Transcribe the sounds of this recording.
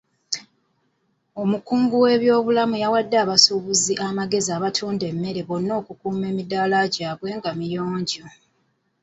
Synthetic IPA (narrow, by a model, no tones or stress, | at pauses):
o̞mukuːŋɡuwe̞βjo̞ːβulamujawadːaːβasuβuziʔamaɡe̞ziaːβatʰuːnde̞mːe̞ɾe̞βo̞nːo̞ːkukuːme̞ːmidaːlaɟaːβwe̞ːŋɡamijo̞ːɲɟo